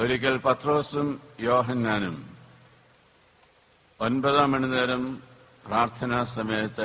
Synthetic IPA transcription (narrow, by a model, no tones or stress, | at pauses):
oɾik̬ʲːɐlpɐt̪ro̞ːsumjoːɦɐnːaːnum | onbɐðaːmeɳineːɾɐm | praːrt̪ʰɐnaːsɐmejɐt̪ːɐ